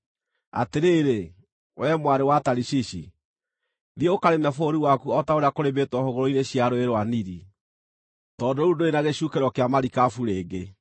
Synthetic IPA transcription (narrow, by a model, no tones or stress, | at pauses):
a̰teɾeːɾe | wɛmwaɾewataɾiɕiɕi | ðieokaɾemɛfoɾiwakuɔtaoɾeakoɾebetwɔhoɣoɾoineɕjaɾoeɾwaniɾi | tɔdoudoenaɣeɕukeɾwɔkeamaɾikafuɾeːɡe